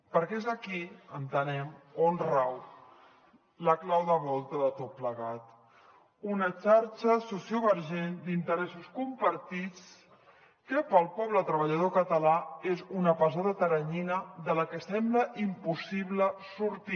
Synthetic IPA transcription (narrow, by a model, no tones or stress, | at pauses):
pəɾkɛezəkiənt̪ənɛmonraw | ləklawðəβɔlˠt̪əðət̪ot̪̚pləɣat̪ | unət͡ʃaɾt͡ʃəsusioβəɾʒend̪int̪əɾɛsuskumpəɾt̪it͡s | kəpəlˠpɔβlət̪ɾəβəʎəðokət̪əlaezunəpazaðət̪əɾəɲinəðələkəsɛmbləʔimpusiβləsuɾt̪i